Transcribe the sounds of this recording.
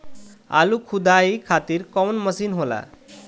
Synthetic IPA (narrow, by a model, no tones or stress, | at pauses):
a̰lukʰud̪aikʰat̪iːɾkɔwnməsiːnɦola̰